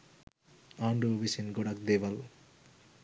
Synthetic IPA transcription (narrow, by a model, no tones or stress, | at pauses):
aːɳɖuʋisinɡoɽɐk̚d̪eːʋɐl